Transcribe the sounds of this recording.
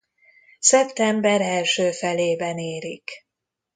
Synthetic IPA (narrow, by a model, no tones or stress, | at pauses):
sɛpt̪ɛmbɛɾɛlʃøːfɛleːbɛneːɾik